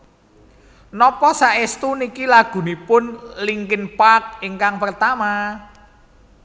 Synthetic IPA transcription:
nɔpɔsaʔest̪unikilaɡ̥ṳnipʊnliŋkɪnpak̚ɪŋkaŋpərt̪ama

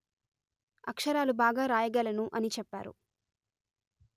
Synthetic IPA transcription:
ɐkʂɐɾaːlubaːɡaːɾaːjɐɡɐlɐnuʔɐnit͡ʃɛpːa̰ːɾṵ

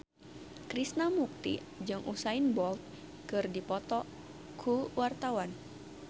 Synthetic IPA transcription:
kɾisnamuk̚t̪ḭ | d͡ʒɨŋʔṵsainbɔlt̪̚ | kɨrdipɔt̪ɔ | kʰuwart̪awan

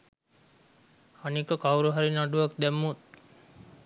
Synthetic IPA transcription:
anikəkawɾuɦaɾinaɖuʋakd̪ɛmːut̪̚

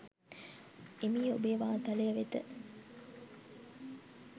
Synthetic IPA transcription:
emiːobeːʋaːt̪ɐlejəʋet̪ə

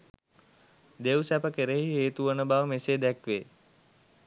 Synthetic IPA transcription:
d̪ewsæpəkeɾeɦiʋeːt̪uʋənəbaʋəmeseːd̪ɛkʋeː

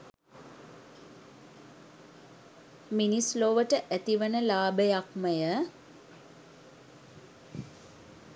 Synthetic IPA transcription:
minisloʋəʈəʔæt̪iʋənəlaːbəjakməjə

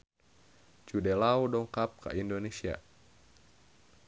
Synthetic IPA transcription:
t͡ʃudɛlaudɔŋkap̚ka̰indonesia̰

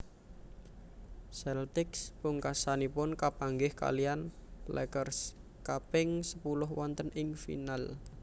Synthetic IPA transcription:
sɛlt̪ɪkspʊŋkasanipʊnkapaŋɡɪhka̰lijanlɛ̰kərs | kapɪŋsəpulʊɦwɔnt̪ənʔɪŋfḭnal

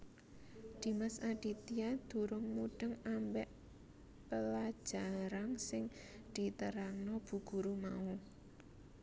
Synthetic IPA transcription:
d̪̥i̤masaɖ̥i̤t̪ijad̪̥ṳɾʊŋmuɖ̥əŋambɛʔ | pəlad̥ʒ̥a̤ɾaŋsɪŋd̪̥i̤t̪əɾaŋnɔb̥ṳɡ̥ṳɾumau

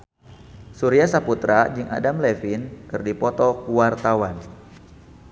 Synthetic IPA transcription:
suɾiasaput̪ɾad͡ʒɨŋʔa̰damlɛfinkɨrdipɔt̪ɔkuwart̪awan

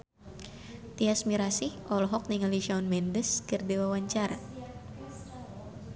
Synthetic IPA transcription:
t̪iasmiɾasiʔɔlɔɦɔk̚niŋaliʃaunmɛndəskɨrdiwawaɲt͡ʃaɾa

